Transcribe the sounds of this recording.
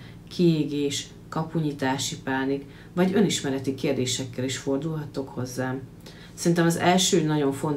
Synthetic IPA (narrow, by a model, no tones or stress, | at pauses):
kʰieːɡeːʃ | kɒpuɲit̪aːʃipaːnik | vɒɟø̞niʃmɛɾɛt̪ikeːrd̪eːʃɛkːɛliʃfo̞rd̪ulɦɒt̪ːo̞kho̞zːaːm | sɛrint̪ɛmɒzɛlʃøːnɒɟo̞ɱfo̞nt̪